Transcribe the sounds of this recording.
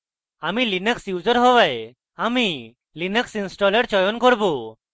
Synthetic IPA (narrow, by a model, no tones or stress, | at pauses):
amilinəksiwd͡zəɾɦɔʋaj | ami | linəksinsʈɔləɽt͡ɕɔjɔnkɔɾbu